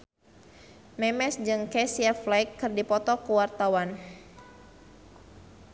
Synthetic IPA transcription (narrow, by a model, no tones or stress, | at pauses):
mɛmɛsd͡ʒɨŋkɛsiaflajkːɨrdipɔt̪ɔkəwart̪awan